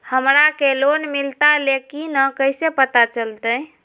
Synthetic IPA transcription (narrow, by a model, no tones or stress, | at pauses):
həmɾakelonmilt̪alekinəkəjsepət̪at͡ʃəlt̪əj